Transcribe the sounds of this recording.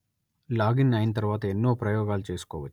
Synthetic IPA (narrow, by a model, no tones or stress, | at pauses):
laːɡinːaːjinɐt̪̬ɐɾʋaːt̪ɐenːoːpɾɐjɔːɡaːlut͡ʃe̞ːsu̥kɔːʋɐt͡ʃːu̥